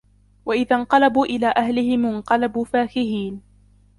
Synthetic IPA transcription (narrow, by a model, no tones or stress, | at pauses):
waʔɪðaɴqɑlabuːʔɪlaːʔahlɪhɪmɪnqɑlabuːfaːkɪhiːn